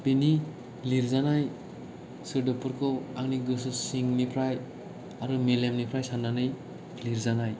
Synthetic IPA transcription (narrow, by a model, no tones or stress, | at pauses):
b̥eni | liɾzanaj | sɯɾdɯpuɾkʰɯaŋniɡɯs̬ɯsiŋnipʰɾaj | aɾɯmelemnipʰɾajsanːanɯj | liɾzanaj